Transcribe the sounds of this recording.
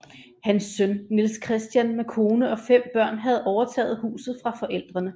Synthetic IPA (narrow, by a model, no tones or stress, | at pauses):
hænsːønnilskʰʁɛsd̥jænmekʰo̝ːnəɒ̽fem̰b̥ɶɐ̰nɦæð̞̩ˠɒʊɐt͡sʰɛ̰ːð̩ˠhṵːsð̞̩ˠfʁɑ̈fɒ̽ʔel̰d̥ʁɐnə